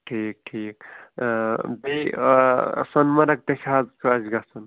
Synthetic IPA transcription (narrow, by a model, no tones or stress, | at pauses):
ʈʰiːk̚ʈʰiːk | be | sɐnmɐɾɐk̚t̪ekʲʰaːzkʰɐzɡasɐn